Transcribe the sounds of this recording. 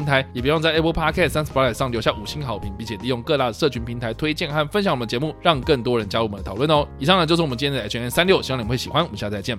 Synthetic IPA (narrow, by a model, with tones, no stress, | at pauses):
ŋnt̪ʰa˧˦ɪjp̬u˧˥jŋt͡sa˥˩ʔe˥pʰə˧˥pʰa˥kʰɛ˥˩ssa˥ns̩˨˩pa˥la˨˩ʂɑ˥˩ŋljo˧˥ɕja˥˩u˨˩ɕi˥nxɑ˨˧˦ʊpʰi˧˥ŋpi˥˧˩nt͡ɕʰjɛ˨˩li˥˧jo˥˧ŋkɤ˥˧t̪a˥˩də˩ʂɤ˥˩t͡ɕʰy˧˥npʰi˧˥ŋt̪ʰa˧˥ɪt̪ʰwe˥ɪt͡ɕjɛ˥˧nxa˥˩nfə˦nɕjŋwə˦˩ə˨t͡ɕɛ˧˥mu˥˩ɻɑ˥˧ŋkə˥˩ŋt̪wɔ˥ɻə˧˦nt͡ɕja˥o˨mə˦nə˩t̪ʰɑ˨˩˦wə˥˩nɔ˨˦i˨˩ʂɑ˥˨ŋnə˩t͡ɕjo˥˧ʂ̩˥˧w̪t͡ɕʰɛ˥˩nsa˥nljo˥˩ɕwe˥˩ɕi˨˩xwa˥˦nwɔ˨˩mə˦nɕja˥˧˩t͡sa˧t͡ɕɛ˥˩n